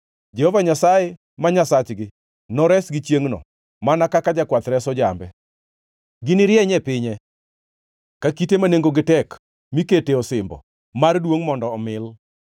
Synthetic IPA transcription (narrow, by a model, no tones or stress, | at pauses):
d͡ʒɛhɔvaɲasaje | maɲasat͡ʃɡɪ | nɔɾɛsɡɪt͡ʃjeŋnɔ̰ | manakakad͡ʒakwat̪ɾɛsɔd͡ʒambɛ | ɡɪnɪɾjɛɲɛpɪɲɛ | kakitemaneŋɡoɡɪtɛk | miketeɔsɪmbɔ̰ | mardwoŋmɔndɔːmɪl